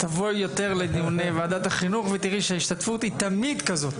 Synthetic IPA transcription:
t̪avojːo̞t̪e̞ʁled̪iunevaaːd̪at̪aχinuχvet̪iʁiʃeaiʃt̪at̪fut̪it̪amid̪kazo̞t̪

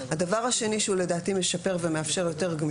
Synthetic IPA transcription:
hadavaʁhaʃe̞niʃeule̞daːtime̞ʃape̞ʁvemeafʃe̞ʁjo̞te̞ʁɡm

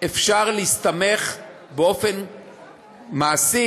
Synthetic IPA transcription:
efʃaʁleist̪ame̞χ | beo̞fen | maːsi

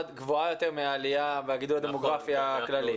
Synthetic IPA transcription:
at̪ɡvoajo̞t̪e̞ʁmeaːliaveaɡid̪ulad̪emo̞ɡʁafjaːklali

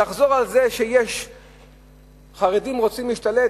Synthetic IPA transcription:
aχzo̞ʁalzeʃejeʃ | χaʁed̪imʁo̞t͡simliʃt̪ale

